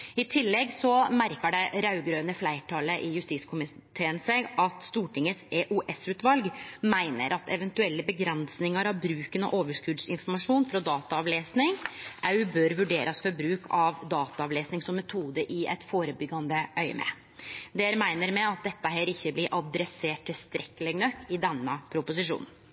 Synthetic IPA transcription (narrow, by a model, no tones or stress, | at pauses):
ɪt̪ʰɪlːɛɡsɔmæɾkəɖɛɾɑʉɡɾøːnəflæɪʈʰɑːləʔɪjʉst̪iːskʰʊmɪt̪ʰeːənsɛɡʔɑt̪st̪uːʈɪŋəseːʔuʔɛsʉːt̪ʋɑlɡmæɪnə̰ɾʔɑt̪ɛʋɛnt̪ʉɛlːəbəɡɾɛnsnɪŋəɾɑʋbɾʉːkənɔ̰ʔoːʋəʂkʉd̪sɪnfɔɾmɑʂuːnfɾɔd̪ɑːt̪ɑɑʋleːsnɪŋʔæʉbøːɾʋʉɖeːɾʔɑsfɔɾbɾʉːkʰɑʋd̪ɑːt̪ɑɑʋleːsnɪŋsɔmːɛt̪ʰuːd̪əʔɪʔɛ̰t̪foːɾəbʏɡɑnd̪əʔœʏə̰mɛ̰ | d̪eːɾmæɪnəɾmɛɑt̪̚d̪ɛt̪ːəɦɛːɾɪçːəblɪɾʔɑd̪ɾɛseːʈ̚t̪ʰːɪlst̪ɾʔɛkːəlɛɡnœkːɪd̪ɛnːəpʰɾʊpʊs̬ɪʂṵːnn̩